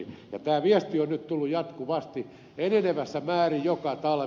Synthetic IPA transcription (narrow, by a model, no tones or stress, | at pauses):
jɑ̰t̪æːʋiest̪ionnytt̪ulːujɑt̪kuʋɑst̪i | eneneʋæsːæmæːrijjokɑt̪ɑl